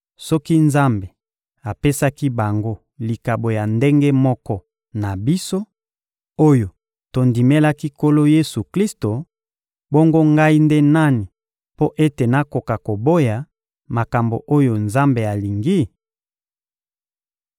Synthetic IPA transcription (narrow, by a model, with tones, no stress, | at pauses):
sɔ˦ki˦nza˦mbe˨ | a˨pe˦sa˦ki˦ba˨ŋɡo˦ | li˨ka˨bo˨ja˨nde˦ŋɡe˦mɔ˦kɔ˦ | na˨bi˦so˦ | o˦jo˨ | to˨ndi˨me˦la˦ki˦ko˦lo˦je˦su˨kli˦sto˨ | bo˦ŋɡo˦ŋɡa˦i˦nde˦na˦ni˨ | po˦ʔe˦te˨na˦ko˨ka˨ko˨bo˦ja˨ | ma˨ka˨mbo̰˨ʔo˦jo˨nza˦mbe˨a˨li˨ŋɡi˦